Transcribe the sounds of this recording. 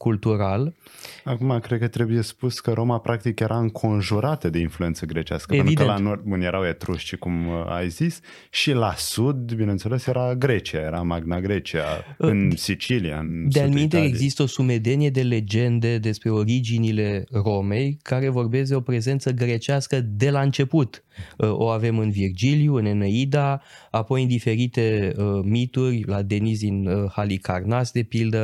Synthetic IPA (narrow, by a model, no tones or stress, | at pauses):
kult̪uɾalakumakɾe̞d̪̚kət̪ɾe̞buje̞spuskəɾo̞mapɾʔak̚t̪ikjeɾʔaɨŋkʰo̞nʒuɾat̪əd̪e̞influent̪səɡɾe̞t͡ʃiaskəpeenvid̪kəlanord̪̚unjeɾawet̪ɾuʃt͡ʃikuma̰jzis | ʃilasud̪binent̪selesjeɾaɡɾe̞t͡ʃiajeɾamaɡnaɡɾe̞t͡ʃia̰ɨnsit͡ʃilia̰ɨnd̪ealmint̪eeɡzist̪əo̞sume̞d̪e̞nije̞d̪e̞le̞d͡ʒe̞nd̪e̞d̪e̞spɾe̞o̞ɾid͡ʒinile̞ro̞me̞jkaɾe̞vo̞rbe̞s̬d̪e̞o̞pɾe̞ze̞nt̪səɡɾe̞t͡ʃeaskəd̪e̞laɨnt͡ʃe̞put̪ʔo̞̰ave̞mɨnvird͡ʒiliuɨneneid̪aapo̞jɨnd̪ife̞ɾit̪e̞əmit̪urʲlad̪e̞nis̬d̪inhalikarnasd̪e̞pild̪ə